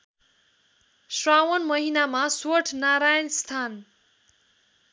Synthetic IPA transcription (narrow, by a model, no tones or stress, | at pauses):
srawʌnmʌɦinamaswʌʈʰnaɾajʌnst̪ʰan